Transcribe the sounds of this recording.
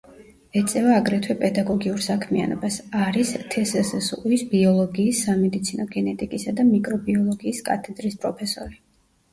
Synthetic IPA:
ɛt̪sʼɛvaːɡɾɛt̪ʰwɛpʼɛd̪aɡɔɡiuɾsakʰmia̰nɔ̰basaɾist̪ʰɛsɛsɛsuisbiɔlˠɔɡiːsːamɛd̪it̪sʰinɔɡɛnɛt̪ʼikʼisad̪amikʼɾɔbiɔlˠɔɡiːskʼa̰t̪ʰɛd̪ɾispʼɾɔpʰɛsɔɾi

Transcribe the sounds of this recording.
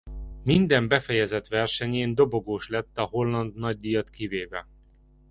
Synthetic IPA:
mind̪ɛmbɛfɛjɛzɛt̪ʋɛrʃɛɲeːnd̪o̞bo̞ɡoːʃlɛt̪ːɒho̞lːɒnd̪nɒɟ̚d̪ijɒt̪kiveːvɛ

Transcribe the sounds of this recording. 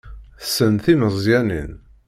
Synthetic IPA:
θsənθiməzˤjænḭn

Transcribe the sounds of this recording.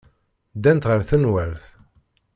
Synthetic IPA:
d̪ænt̪ʁəɾθənwæɾθ

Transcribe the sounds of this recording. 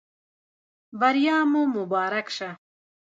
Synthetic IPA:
bɐɾjaːmomubaːɾɐkʃɐ

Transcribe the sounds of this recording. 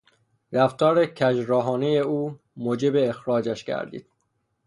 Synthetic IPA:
ɾæft̪ɒːɾecʰæd͡ʒɾɒːɦɒːneje̞uː | moːd͡ʒe̞beːxɾɒːd͡ʒæʃcʰæ̰ɾd̪ḭːd̪̥

